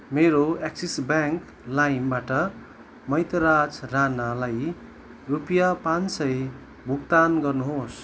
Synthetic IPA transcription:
meɾoeksisbaŋk | lajnbaʈʌ | mʌjt̪ʌɾat͡sranalaj | rupijapansʌj | bʱuk̚t̪anɡʌrnuɦos

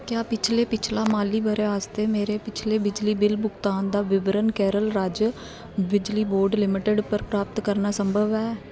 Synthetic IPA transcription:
kjaːpɪt͡ʃʰleːpɪt͡ʃʰlaːmaːliːbəɾeːaːst̪eːmeːɾeːpɪt͡ʃʰleːbɪd͡ʒliːbɪlbʊkt̪aːnd̪aːʋɪʋɾənkɛːɾəlɾaːd͡ʒ | bɪd͡ʒliːboːɾɖlɪmɪʈəɖpəɾpɾaːp̚t̪kəɾnaːsəmbʱəʋɛː

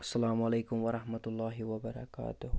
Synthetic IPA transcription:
ʔḁsːalaːmʔalajkʊmwaɾɑhmat̪ʊlːɑːɦiwabaɾɑ̰ka̰ːt̪ʊh

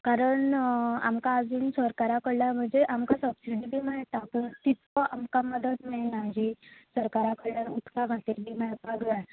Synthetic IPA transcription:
kaɾəɳa̰mkaːd͡zuːnsəɾkaɾakəɽljam̤əɳd͡zeʔamkasəpsiʈibʱiːmaɦt̪apuɳt̪it̪ɔʔamkaməd̪ət̪menad͡ʑisəɾkaɾakəɽljaɾut̪kaɡʱat̪eɾbʱiːmaɭət̪baɡɭa

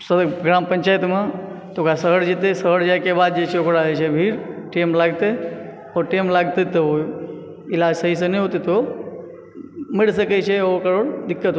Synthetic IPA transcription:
səɡɾaːmpəɲt͡ʃaːjt̪mãt̪okasəɦəɽd͡ʒet̪esəɦəɽd͡ʒakebaːd̪d͡ʒet͡ʃʰeokɽaːet͡ʃʰebʱiːɾʈemlaːɡt̪e | ɔːɾʈeːmlaːɡt̪et̪eo | ɪlaːd͡ʒsəɦisəniɦot̪it̪o | mɪɽs̬əket͡ʃʰeokəɾoːɽd̪ɪkːət̪

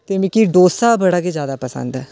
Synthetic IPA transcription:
t̪emɪ̃kiɖoːsaːbəɽaːked͡ʒjaːd̪aːpəsə̰̃nd̪ɛː

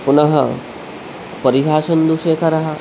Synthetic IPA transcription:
punɐɦɐ̰ | pɐɾiɦaːʃɐnd̪uʃeːkʰɐɾɐɦɐ

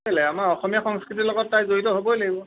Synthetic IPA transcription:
ɛlɛamaɹɔxɔmijaxɔŋskɹitilɔɡɔtːajzoitɔɦobɔjlaɡibɔ

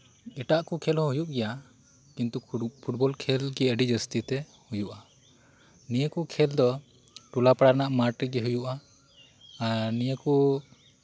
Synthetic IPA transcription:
ɛʈaʔkukʰɛlɦɔ̃ɦujuʔɡɛja | kint̪upʰuʈ̚bɔlkʰɛlɡɛəɖid͡ʒəst̪it̪ɛ | hujuʔa | nijəkukʰɛld̪ɔ | ʈulapaɽaɾnaʔmaʈiɡɛɦujuʔaː | ɾnijəku

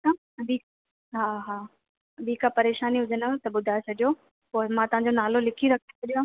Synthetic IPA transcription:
a | ɐbik | ɦaːɦaː | ɐbiːkapɐɾeːʃaːniɦʊd͡ʑʱənət̪ɐɓʊd̪ʱaet͡ɕʰɐɠijo | poːɪmãːt̪ɐʋ̤ãɲ̆d͡ʑonaːlolɪkʰiɾɐkʰt̪ʰe̥t͡ɕʰɐɗijãː

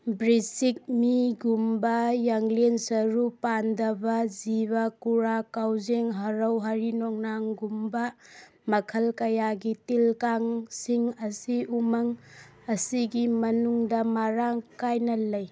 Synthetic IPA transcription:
bɾisik̚miɡumbɐjaŋlensɐɾupandɐbɐziβɐkuɾakawzeŋɦɐɾɐwɦaɾinɔŋnaŋɡumbɐ | mɐkʰɐlkɐjaɡitilkaŋsiŋɐsiʔumɐŋ | ɐsiɡimɐnuŋdɐmaɾaŋkajnɐlɐj

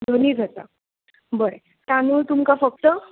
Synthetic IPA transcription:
d̪ʱoniːd͡zʱat̪a̰ | bəɾe | t̪anuːlt̪umkafək̚t̪ə

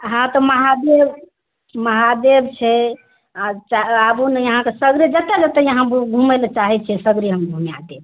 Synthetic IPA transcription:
ɦãt̪ɔməɦad̪eb | məɦad̪ebt͡ʃʰɛ | t͡ʃaabunejəɦãkesəɡɾid͡ʒət̪ɛd͡ʒət̪ejəɦãbɡʱumelt͡ʃaɦɛt͡ʃʰɛsəɡɾiɦəmɡʱumja̰t̪e

